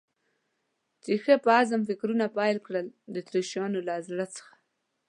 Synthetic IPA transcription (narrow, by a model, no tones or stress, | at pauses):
t͡ʃexəpəazəmfɪkɾunapɑjlkɽəld̪ət̪ɾeʃɑnolaazɽat͡sə̥xḁ